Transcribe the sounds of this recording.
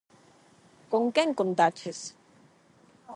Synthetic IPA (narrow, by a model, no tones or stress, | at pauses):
koŋkeŋkont̪at͡ʃʰes